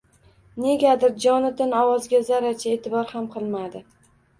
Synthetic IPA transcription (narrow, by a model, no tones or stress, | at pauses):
ne̞ɡʲad̪ɪɾd͡ʒɒnɪd̪ɪnɒwɒzɡʲazaɾat͡ʃʰae̞t̪ʰɪbɒɾhamqʰɨlˠmad̪ɪ